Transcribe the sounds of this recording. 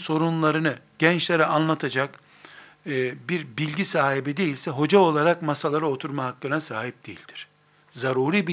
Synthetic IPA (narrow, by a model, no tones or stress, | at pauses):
so̞ɾunlˠaɾɯnɯɟ̥ɛnt͡ʃlʲeɾɛanlˠat̪ʰad͡ʒakː | biɾbilʲɟisaːɦibid̪e̞jilʲsɛɦo̞d͡ʒao̞lˠaɾakmasalˠaɾɯo̞t̪ʰuɾmaɦakːɯnasaːhip̚d̪̥ejḭlʲd̪̥iɾ̥ | zaɾuːɾiːb